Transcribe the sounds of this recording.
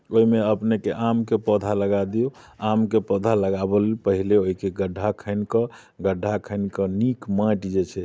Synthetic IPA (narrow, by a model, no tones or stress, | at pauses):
oimeəpnekeʔamkepəd̪ʱaləɡad̪io | amkepəd̪ʱaləɡabəlpəɦileoikeɡəɖʱːakʰəɪnkə | ɡəɖʱːakʰəɪnkənikmãʈd͡ʒet͡ʃʰɛ